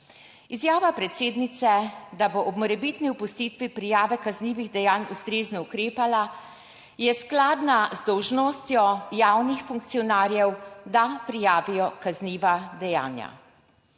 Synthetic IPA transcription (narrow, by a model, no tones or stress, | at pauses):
izjaːʋapɾɛt̪seːd̪nit̪sɛd̪aboʔɔbmɔɾɛbit̪niupʊst̪iːt̪ʋipɾijaːʋɛkazniːʋiɣd̪ɛjaːnust̪ɾeːznɔukɾeːpala | jɛsklaːd̪nazd̪ɔwʒnoːst̪jɔjaːwnixfuŋkt̪sijɔnaːɾjɛwd̪apɾijaːʋijɔkazniːʋad̪ɛja̰ːnja̰